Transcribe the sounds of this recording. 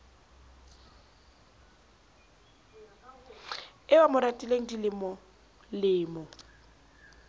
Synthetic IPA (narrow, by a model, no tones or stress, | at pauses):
ɪwamʊɾatʼileŋ̩dilɪmɔ | lɪːmɔ